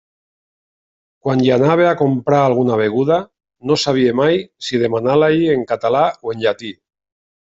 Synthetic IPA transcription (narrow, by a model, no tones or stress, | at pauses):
kwanʎanaβ̞eakompɾaaːlɣ̞unaβ̞eɣ̞uða | nosaβ̞iemajsið̞emanalaʎieŋkat̪alaoeɲʎat̪i